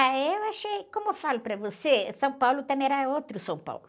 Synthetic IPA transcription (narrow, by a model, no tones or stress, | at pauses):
aewaʃejkõmʊewfalʊpɾɐvosesɐ̃w̃pawlʊt̪ɐ̃mẽɛɾaot̪ɾʊsɐ̃w̃pa̰wlʊ